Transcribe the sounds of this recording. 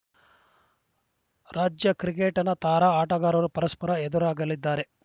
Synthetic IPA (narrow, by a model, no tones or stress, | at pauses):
ɾaːd͡ʒjɐkɾikeːʈɐnɐt̪aːɾaːaːʈɐɡaːɾɐɾupɐɾɐspɐɾɐed̪uɾaːɡɐlid̪ːaːɾe̞